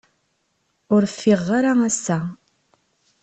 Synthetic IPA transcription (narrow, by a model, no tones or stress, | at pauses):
ʊɾfːiʁːaɾaæsːæ